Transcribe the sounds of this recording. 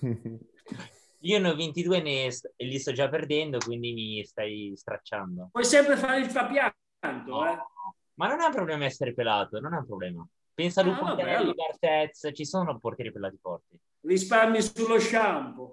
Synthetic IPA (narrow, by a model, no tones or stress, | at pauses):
iːonovent̪id̪uːeneselːist̪ɔd͡ʒapːerd̪ɛnd̪okwind̪imist̪ajst̪ɾa̰t͡ʃːa̰nd̪opwɔjsɛmpɾefaɾeilfapja | nt̪oɛ | manːonaumpɾoblɛːmaɛsːeɾepelaːt̪ononaũmpɾoblɛːma | pɛnsalukuɛid̪art̪ɛt̪st͡ʃisoːnoport̪jɛːɾipelːaːt̪ifɔrt̪i | rispaɾɲisulːoʃampo